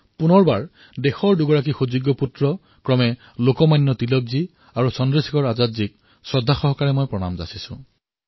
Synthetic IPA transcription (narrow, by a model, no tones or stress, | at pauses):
punɔɹbaɹ | dexɔɹduɡɔɹak̬ixuzuɡːɔputɹɔ | kɹɔmɛ | lokɔmajnːɔtilɔk̚zi | aɹusɔndɹisi̥kɔɹazatzik̚ | sɹɔdʱːaxɔɦɔkaɹɛmojpɹɔna̰mza̰sisʊ̰̃